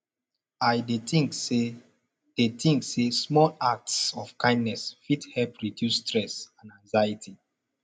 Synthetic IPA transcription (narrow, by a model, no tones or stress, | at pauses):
ajdetĩŋkse | d̥etʰĩŋksesmɔlak̚tsɔfkãɪ̃ndnɛsfithɛlpɹidjustɹɛsãnãŋzajitʰi